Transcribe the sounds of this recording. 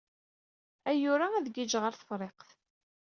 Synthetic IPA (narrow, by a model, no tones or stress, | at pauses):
æjʊɾaæðɡid͡ʒʁəɾθə̥fɾˤeqθ